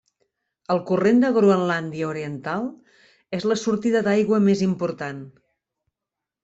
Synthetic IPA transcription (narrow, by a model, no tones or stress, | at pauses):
əlˠkurend̪əɣɾuənland̪iəuɾiənt̪alˠ | ezləsuɾt̪iðəd̪ajɣwəmezimpuɾt̪an